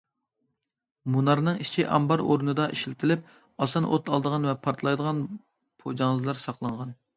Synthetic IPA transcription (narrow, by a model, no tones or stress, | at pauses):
munɑɾnɨŋit͡ʃʰiʔɑ̰mbɑɾoɾnɨd̪ɑʔiʃlɪt̪ʰɪlɪp̚ | ɑsɑnʔo̰t̪ʰɑlˠd̪əʁɑnvɛpʰɑɾt̪ʰlˠɑjd̪əʁɑn | pʰod͡ʒɑŋzlˠɑɾsɑqlˠɑɴʁɑn